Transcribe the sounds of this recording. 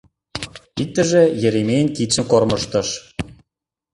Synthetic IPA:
ik̚t̪ə̆ʒĕjĕɾemeənkit͡ɕə̆mkormɤ̆ʃt̪ɤ̆ʃ

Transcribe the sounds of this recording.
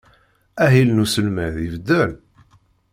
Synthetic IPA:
æɦilnusəlmæðivd̪ːæl

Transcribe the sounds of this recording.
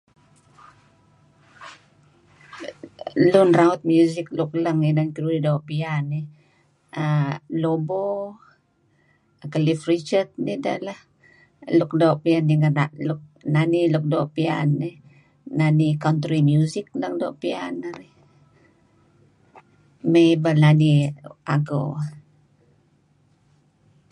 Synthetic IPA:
lunraut̪̚mjuzikluk̚laŋinankiɾuɾidoʔpiani | alobo | kalifrit͡ʃət̪̚nidala | luk̚daoʔpianːiŋənaʔluk̚naniluk̚doːʔpia̰ni | nanikant̪ɾimjuzik̚ləŋdo̰ʔpia̰naɾi | mejbananiaɡo̰

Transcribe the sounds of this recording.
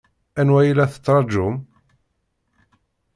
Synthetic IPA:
ænwæjilæθə̥t͡sːɾˤɑd͡ʒʊm

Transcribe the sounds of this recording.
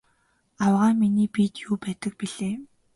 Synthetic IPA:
awʁaːminiːpit̪juːpæːt̪ə̆k̚piɮeː

